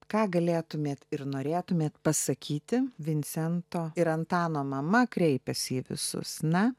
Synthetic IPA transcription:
kɑːɡɐlʲeːt̪ʊmʲeːt̪ɪɾnoːɾʲeːt̪ʊmʲeːt̪pɐsɐkʲiːt̪ʲɪʋʲɪnʲsʲɛnt̪oːɪɾɐnt̪ɑːnoːmɐmɐkɾʲɛɪpʲɛsʲiːʋʲɪ̰sʊ̰snɐ

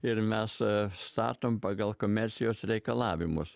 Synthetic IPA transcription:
ɪɾmʲæsst̪ɑ̰ːt̪ompaɡɐlˠkomʲɛɾʲsʲijosɾʲɛkɐlˠɑːʋʲumṵs

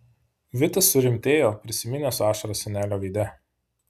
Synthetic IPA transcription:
ʋʲɪt̪ɐsːʊɾʲɪmʲt̪ʲeːjoːpʲɾʲɪsʲɪmʲɪnʲeːsʊɑːʃɐɾɐsʲɛnʲæːlʲoːʋʲiːd̪ʲɛ

